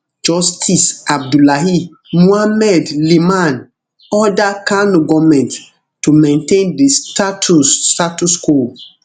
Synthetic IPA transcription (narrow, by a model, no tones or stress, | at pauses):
d͡ʒɔstʰisab̚dulaɦi | muamɛdlimãn | ɔdakanoɡɔmɛ̃nt | tumẽntẽndistatʰustatusko